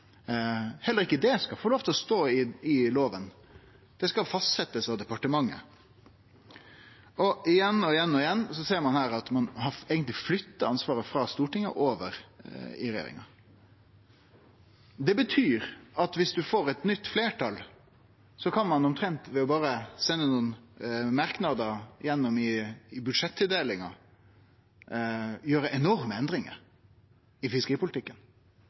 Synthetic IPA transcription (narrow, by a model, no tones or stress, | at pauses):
hɛlːəɾɪkːəd̪ɛskɑfoːloːʋt̪ʰɛlɔst̪oːɪɪloːʋən | d̪̥ɛskɑlfɑst̪sɛt̪ːəsɑʋd̪ɛpɑʈəmɑŋːə̰ | ɔɪjɛnːɔɪjɛnːɔɪjɛnːsɔseːɾmɑnhæːɾɑt̪mɑnhɑɛːɡənt̪lɪflʏt̪ːɑɑnsʋɑːɾəfɾɑːst̪uːʈɪŋə̰ʔoːʋə̰ɾɪ̰ɾɛɪjḛːɾɪ̰ŋɑ̰ | d̪ɛbət̪ʰyːɾɑt̪ʋɪsd̪ʉfoːɾɛt̪nʏt̪ːfleːʈʰɑl | sɔkʰɑnmɑnɔmt̪ʰɾɛnt̪ʋɛɔbɑːɾəsɛnːənuːnmɑɾknɑd̪əɾjɛnːɔmɪːbʉd̪ʂɛt̪ːɪd̪eːlɪŋɑ̰ | jøːɾəʔɛnɔɾməɛnd̪ɾɪŋə̰ | ɪfɪskəɾiːpʊlt̪ɪkːən